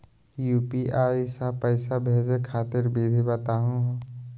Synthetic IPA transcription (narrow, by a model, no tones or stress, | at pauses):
juːpiʔaːisapəɪsabʱeːd͡ʒekʰaːt̪ɪɾbiːd̪ʱibət̪aːɦũ